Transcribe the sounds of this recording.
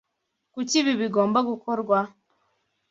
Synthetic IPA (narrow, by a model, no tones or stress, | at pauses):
kuciβiβiɡoːmbaɡukoɾɡwa